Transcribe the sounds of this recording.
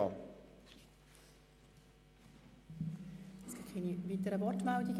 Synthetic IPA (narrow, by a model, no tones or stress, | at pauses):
ɑ | ɛsɡ̥ɪtχiːniʋiːt̪əɾəʋɔrtmældiɡ